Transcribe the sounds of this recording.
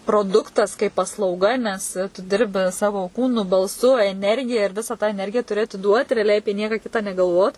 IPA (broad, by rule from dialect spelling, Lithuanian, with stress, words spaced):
proːˈdʊktɐs kɐɪp pɐslˠɐʊˈɡɐ nʲɛs tʊ ˈdʲɪrʲbʲɪ ˈsɑːʋoː ˈkuːnʊ bɐlˠˈsʊ ɛˈnʲɛrʲɡʲɪjɛ ɪr ˈʋʲɪsɐ tɑː ɛˈnʲɛrʲɡʲɪjɛ tʊˈrʲɪ ɐtʲɪˈduɔt rʲɛɐˈlʲɛɪ ˈɑːpʲiɛ ˈnʲiɛkɐ ˈkʲɪtɑː nʲɛɡɐlˠˈʋoːt